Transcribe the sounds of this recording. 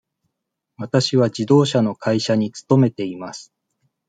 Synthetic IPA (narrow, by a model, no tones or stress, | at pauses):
βat̪aɕiβ̞ad͡ʑid̪o̞ːɕano̞kʰaiɕaɲ̟it͡sɨ̥t̪o̞me̞t̪e̞imasɨ̥